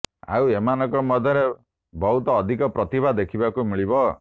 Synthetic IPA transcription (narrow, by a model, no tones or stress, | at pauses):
a̰wemanɔkɔmɔd̪ʱjɔɾe | bɔɦut̪ɔːd̪ʱikɔpɾɔt̪ibʱad̪ekʰibakumiɭibɔ